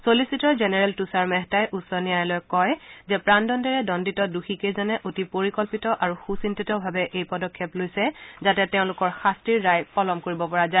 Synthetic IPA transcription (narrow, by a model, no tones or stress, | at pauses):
solisitɔɹzɛnɛɹɛltusaɹmɛɦtajʔusɔnijajɛlɔjkɔjzɛpɹandɔndɛɹɛdɔnditɔduxikejzɔnɛʔotipoɹikɔlpitɔʔaɹuxusintitɔbʱabɛʔejpɔdɔkʰːɛplojsɛzatɛteʊ̃lʊkɔɹxastɹiɹːajpɔlɔmkoɹibɔpɔɹaza